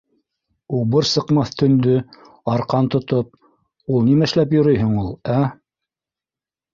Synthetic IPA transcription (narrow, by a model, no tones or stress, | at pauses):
ubɤɾsɤ̆qmɑθt̪ʰɵ̆nd̪ɵ | ɑɾqɑnt̪ŏt̪op̚ | ulˠnimæɘ̆ʃlæpjŏɾɤjɦɘɴulˠæ